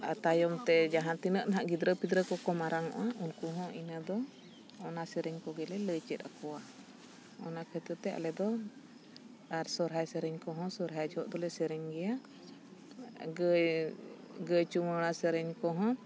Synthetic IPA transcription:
at̪ajɔmt̪ɛd͡ʒaɦãt̪inəʔnaɦaʔɡid̪ɾəpid̪ɾəkɔkɔmaɾaŋɔ̰ʔaʔunkuɦɔ̃ʔinad̪ɔ | ɔnasɛɾɛɲkɔɡɛlɛləjt͡ʃɛt̪̚akɔwa | ɔnakʰət̪ət̪ɛa̰lɛd̪ɔ | aɾsɔɾɦajsɛɾɛɲkɔɦɔ̃sɔɾɦajd͡ʒɔɦɔʔd̪ɔlɛsɛɾɛɲɡɛja | ɡəj | ɡəjt͡ʃumənasɛɾɛɲkɔɦɔ̃

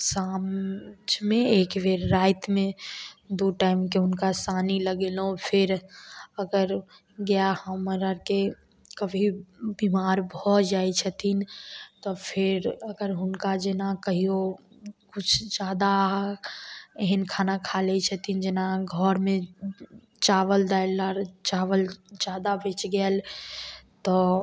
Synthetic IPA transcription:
samd͡ʒmẽeːkʋeɾːaːɪt̪mẽd̪oʈaːɪmkeʊnkasaːniləɡeːlɦõpʰɪɾəɡəɾ | ɡəjahəməɾəɾke | kəbʱibimaːɾbʱɔd͡ʒaːet͡ʃʰət̪ʰint̪ɔpʰɪɾəɡəɾɦʊnkad͡ʒenakəɦio | kʊt͡ʃʰd͡ʒaːd̪a | eɦənkʰanakʰalɛt͡ʃʰət̪ʰind͡ʒenaɡʱɔɾmẽ | t͡ʃaʋəld̪aelːaɾt͡ʃaːʋəld͡ʒad̪abet͡ʃɡəel | t̪ɔ

